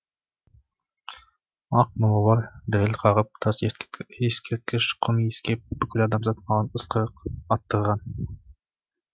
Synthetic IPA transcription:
ɑq̚molˠɑwɑɾd̪ɪɾɪlqʰɑʁəp̚t̪ʰɑseskʲʰet̪̚kʲʰɪʃqʰʊmjeskʲep̚bɪkʲʰylɑːd̪ɑmzɑt̪̚mɑʁɑnəsqʰəqɑt̪ːəɾʁɑn

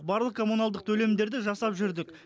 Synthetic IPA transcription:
qbɑɾlˠəqkʰo̞munɑlˠd̪əq̚t̪ʰɵle̞md̪e̞ɾd̪ɪʒɑsɑpʒʏɾd̪ɪk

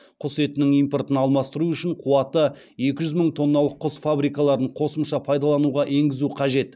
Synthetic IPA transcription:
qʰʊse̞t̪ɪnɪŋijmpo̞rt̪ənɑlˠmɑst̪əɾuʏʃɪɴqʰuɑt̪ə | je̞kʲɪʒʏzməɴt̪ʰo̞nːɑlˠəqʰːʊsfabɾijkɑlˠɑɾəɴqʰo̞səmʃɑpʰɑjd̪ɑlˠɑnuʁɑʔe̞ŋɡʲɪzuqʰɑʒe̞t̪

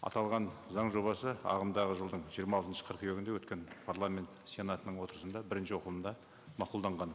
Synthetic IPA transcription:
ɑ̰t̪ɑlˠʁɑnzɑɴʒo̞βbɑsəɑ̰ʁəmd̪ɑʁəʒəlˠd̪əɴʒijəɾmɑlˠt̪ənʃə̥qʰəɾqøɡʲɪnd̪ewɵt̪kʲe̞npʰaɾlˠamʲe̞nt̪sʲe̞nat̪ənəɴwo̞t̪əɾəsənd̪ɑbɪɾɪnʃɪwo̞qlˠənd̪ɑ | mɑqulˠd̪ɑɴʁɑn

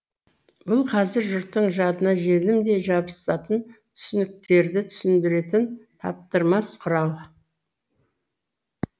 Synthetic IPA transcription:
bʊlˠqʰɑzɪɾʒʊɾt̪ːəɴʒɑd̪ənɑʒelɪmd̪e̞ʒɑbəsɑt̪ənt̪ʰʏ̥sʏnɪk̚t̪e̞ɾd̪ɪt̪ʰʏ̥sɪnd̪ɪɾe̞t̪ɪnt̪ʰɑ̰p̚t̪əɾmɑsqʰʊɾɑlˠ

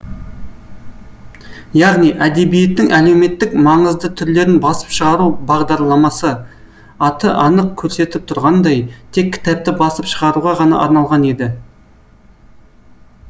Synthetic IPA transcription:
jɑʁnijʔæd̪e̞bije̞t̪ːɪŋʔæle̞wme̞t̪ːɪkmɑɴəzd̪ət̪ʰʏɾle̞ɾɪnbɑsə̥pʃəʁɑɾubɑʁd̪ɑɾlˠɑmɑsə | ɑt̪əʔɑnəq̚kʲʰɵɾse̞t̪ɪp̚t̪ʰʊɾʁɑnd̪ɑjt̪ʰe̞kʲʰːɪ̥t̪æp̚t̪ɪbɑsəpʃəʁɑɾuʁɑʁɑnɑ̰ʔɑ̰ɾnɑlˠʁɑne̞d̪ɪ

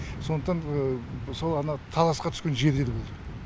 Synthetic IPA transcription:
so̞nd̪əqt̪ɑnsolˠɑnɑt̪ʰɑlˠɑsqɑt̪ʰʏ̥skʲe̞nʒe̞ɾd̪e̞ɾbo̞lˠd̪əə

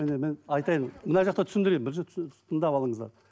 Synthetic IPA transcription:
mæne̞menɑjt̪ɑjənmənɑʒɑq̚t̪ɑt̪ʰʏ̥sɪnd̪ɪɾebɪɾʃet̪ʰt̪ʰənd̪ɑpɑlˠəɴəzd̪ɑ̰ɾ

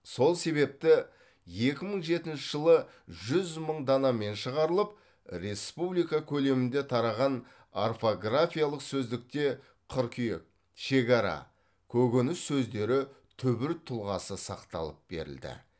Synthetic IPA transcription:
so̞lˠse̞βe̞p̚t̪ɪ | je̞kʲɪməɴʒe̞t̪ɪnʃɪʒəlˠə | ʒʏzməɴd̪ɑnɑme̞nʃəʁɑɾəlˠəp̚ | ɾe̞spublijkɑkʲʰɵle̞mɪnd̪e̞t̪ʰɑɾɑʁɑn | arfo̞ɡrafʲijalˠəqsɵzd̪ɪk̚t̪e̞ | qʰʊɾkʲʰijḛk̚ | ʃe̞kɑɾɑ̰ | kʲʰɵɡʲenɪsːɵzd̪e̞ɾɪ | t̪ʰʏbɪɾt̪ʰʊlˠʁɑsəsɑqt̪ɑ̰lˠəp̚be̞̰ɾɪ̰ld̪ɪ̰

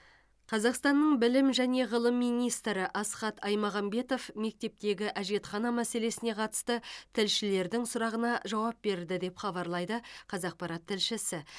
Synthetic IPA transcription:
qʰɑzɑqst̪ɑnːəɴbɪlɪmʒæne̞ʁəlˠəmːijnijst̪ɾɪʔɑsqɑt̪ʰɑjmɑʁɑmbe̞t̪o̞fme̞k̚t̪e̞p̚t̪e̞ɡʲɪʔæʒe̞t̪χɑnɑmæse̞le̞sɪne̞qʰɑt̪ə̥st̪ət̪ʰɪlʃɪle̞ɾd̪ɪŋsʊɾɑʁənɑʒɑwɑp̚be̞ɾd̪ɪd̪e̞pχɑβɑɾlˠɑjd̪əqʰɑzɑq̚pɑɾɑt̪ʰːɪlʃɪsɪ

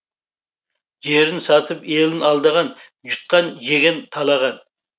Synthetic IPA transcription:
ʒeɾɪnsɑt̪ʰɨpelɪnɑlˠd̪əʁɑn | ʒut̪̚qɑnʒeɡʲɛnt̪ʰɑlˠɑʁɑn

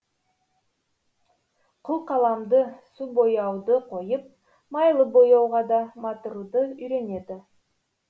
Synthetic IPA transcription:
qʰʊlˠqʰɑlˠɑmd̪əsubo̞jɑwd̪əqʰo̞jəp̚ | mɑjlˠəbojɑwʁɑd̪ɑmɑt̪uɾud̪əʏjɾe̞ne̞d̪ɪ

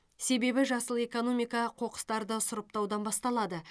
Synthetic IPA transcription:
se̞be̞bɪʒɑsəlˠe̞ko̞no̞mijkɑqʰo̞qə̥st̪ɑɾd̪əsʊɾəp̚t̪ɑwd̪ɑnbɑst̪ɑlˠɑd̪ə

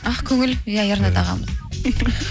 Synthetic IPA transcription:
ɑχkʲʰɵŋɪljajəɾnət̪ʰɑʁɑ̰məz

